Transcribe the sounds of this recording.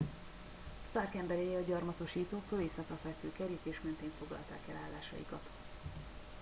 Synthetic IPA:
st̪arkɛmbɛɾeːjɛɒɟɒrmɒt̪o̞ʃiːt̪oːkt̪øleːsɒkɒfɛlfyːkɛɾit̪eːʃmɛnt̪eːɱfo̞ɡlɒ̰lt̪a̰ːkɛlaːlːaːʃɒ̰jḭkɒt̪

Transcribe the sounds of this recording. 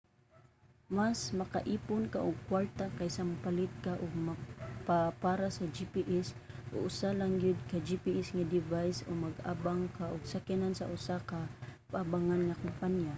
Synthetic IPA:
masmɐka̰ʔiːpʊnkaʔʊɡ̚kwaɾt̪akajsampalɪt̪̚kaʔʊɡ̚maɡpapaːɾasad͡ʒipiʔɛs | ʔo̰ʔʊsalaŋjʊd̪̚kad͡ʒipiʔɛsŋad̪ɪvajsomaɡa̰ːbaŋkaʔʊɡ̚sakɪnansa̰ʔʊsakapaʔabaŋanŋakʊmpanja

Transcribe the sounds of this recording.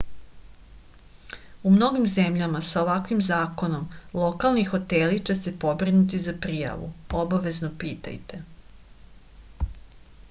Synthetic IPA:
umno̞ɡimze̞mʎamasao̞ʋakʋimzaːko̞no̞mlˠo̞kalˠnixo̞t̪elit͡ʃe̞se̞po̞bɾinut̪̬izapɾija̰ʋṵobaʋe̞znopiːt̪a̰jt̪e̞

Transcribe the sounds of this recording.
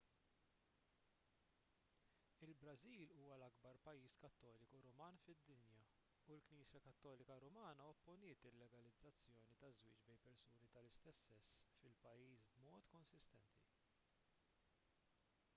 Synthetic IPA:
ɪlbɾɐziːluːwɐlɐɡbɐɾpɐjːiːskɐt̪ːɔːlɪkuɾɔmɐːnfɪd̪ːɪnjɐ | ulkniːsjɐkɐt̪ːɔːlɪkɐɾɔmɐːnɐɔpːʊnɪːt̪ɪlːɛɡɐlɪd͡zːɐt͡sːjɔːnit̪ɐzwɪːt͡ʃbɛjpɛɾsuːnit̪ɐlɪst̪ɛsːɛsːfɪlpɐjːiːsbmɔːt̪kɔnsɪst̪ɛnt̪i

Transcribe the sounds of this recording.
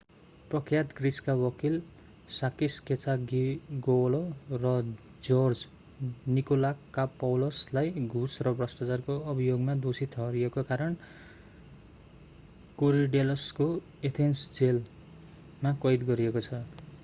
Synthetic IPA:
prʌkʰjat̪ɡriskawʌkil | sakisket͡saɡiɡolorʌ | d͡zord͡z | nikolakːapʌwlʌslajɡʱusrʌbrʌsʈat͡sarkoʌbijoɡmad̪osit̪ʰʌɦʌɾiekokaɾʌn | koɾiɖelʌsko | et̪ʰensd͡zel | makʌjd̪ɡʌɾiekot͡sʰʌ

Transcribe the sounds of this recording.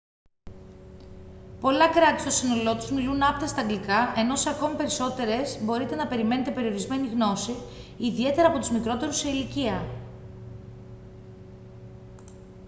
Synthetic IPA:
po̞lɐkɾɐt̪i̥st̪osino̞lo̞t̪uzmilunɐpt̪ɐst̪ɐŋɡlikɐʔe̞no̞sɐko̞mipe̞ɾiso̞t̪e̞ɾe̞zbo̞ɾit̪e̞nɐpe̞ɾime̞ne̞t̪e̞pe̞ɾio̞ɾizme̞niɣno̞siːðie̞t̪e̞ɾɐːpo̞t̪uzmikɾo̞t̪e̞ɾuse̞iliciɐ

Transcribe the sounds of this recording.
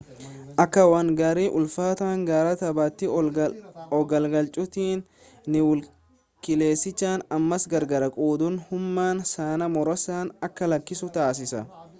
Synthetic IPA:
ʔɐkːɐwɐŋɡaːɾiːʔʊlfaːt̪aːŋɡaːɾɐt̪ɐbaːt̪ːɪ | ɔɡɐlɡɐlt͡ʃʼʊt̪iːnː | ɪwʊl | kʼɪle̞ːsːɪt͡ʃːaːnɐmːɐsɡɐɾɡɐɾɐkʼuːd̪ʊnhʊmːaːnsaːnɐmɔɾɔsaːnɐkːɐlɐkːɪsʊt̪aːs̬ɪsɐ

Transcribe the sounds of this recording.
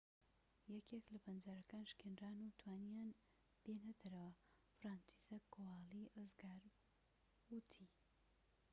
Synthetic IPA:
jɛkʰeklɐbɐnd͡ʒaɾɐkaːnʃkʰenraːnut̪ʰwaːnijaːn | d̪̥enɐd̪ʰɐɾɐwɐ | fɾaːnt͡ʃi̥sɐkʰoaːlˠiɨzɡaɾ | wut̪ʰi

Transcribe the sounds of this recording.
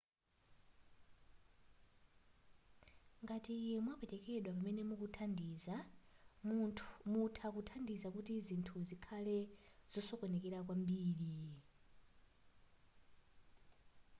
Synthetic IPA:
ŋɡatiːjɛmwapɛtɛkɛɗwap̬amɛnɛmukutʰandiːzammutʰak̬utʰandizakutizintʰuzikʰalɛz̥ɔsɔkɔnɛk̬ɛɾak̬wambiːɺi

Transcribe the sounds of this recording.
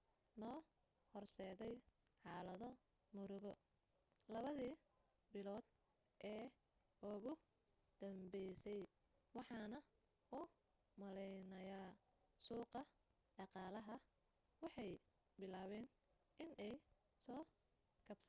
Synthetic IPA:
nɔː | hɔrsɛːðɛjħɑːlɐðɔ | mʊɾʊɣɔ | lɐβɐðiː | bɪlɔːd̪̚ | ʔɛː | ʊɣʊ | d̪̥ɐmbɛjsɛj | wɑħɑːnɐ | ʊ | mɐlɛjnɐja | suːqɐ | ɖɑqɑːlɐɦɐ | wɑħɑj | bɪlaːβɛːn | ʔɪnʔɛj | sɔː | kʰɐbs

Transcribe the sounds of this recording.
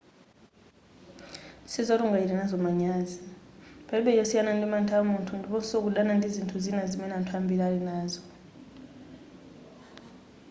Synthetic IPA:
sizɔtuŋɡaiɾɛnazɔmaɲaːzipaiɓɛjɔsianandʱimantʰamuntʰundʱipɔsok̬uɗanandʱizintʰuzinazimɛnantʰwambʱilalinaːzɔ

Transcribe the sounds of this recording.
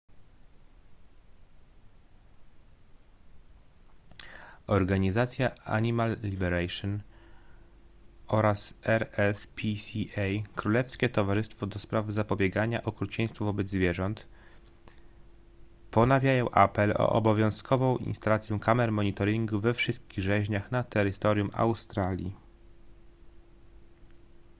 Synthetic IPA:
ɔɾɡaɲizat̪sʲjaa̰ɲimalːʲibɛɾajʂɔn | ɔɾasɛɾɛspʰʲisʲiɛjkɾulɛfskʲɛt̪ɔvaʐɘst̪fɔd̪ɔspɾavzapɔbʲjɛɡaɲaʔɔkɾut͡ɕej̃st̪fuvɔbɛd̪zvʲjɛʐɔnt̪ | pɔnavʲjajɔ̃w̃ʔa̰pɛlɔ̰ʔɔ̰bɔvʲjɔ̃w̃skʰɔvɔ̃w̃ʔḭnst̪alat̪sʲjɛ̃kamɛɾmɔɲit̪ɔɾiŋɡuvɛfʂɘst̪̚kʲiɣʐɛʑɲaxnat̪ɛɾɘt̪ɔɾʲjuma̰wst̪ɾalʲjḭ

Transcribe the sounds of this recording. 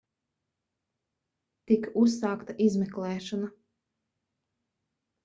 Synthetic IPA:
t̪ikus̬ːaːkt̪aʔizmɛklˠɛːʃɔna

